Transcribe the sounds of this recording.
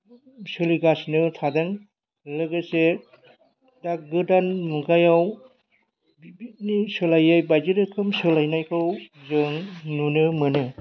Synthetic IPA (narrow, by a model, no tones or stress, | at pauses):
sɯliɡasnɯtʰadɯŋ | lɯɡɯse | dak̚ɡɯdanmuɡajaw | bbit̚nisɯlajajbajzɯɾɯkʰɯmsɯlajnajkʰɯwzɯŋnunɯmɯnɯ